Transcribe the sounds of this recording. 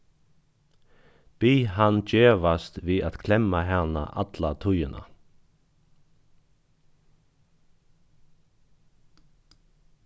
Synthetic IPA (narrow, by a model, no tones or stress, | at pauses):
b̥iːɦand͡ʒeːʋast̪ʋiːat̪kʰlɛmaɦɛʁna̰ʔa̰t̪lat̪ʰʊjəna̰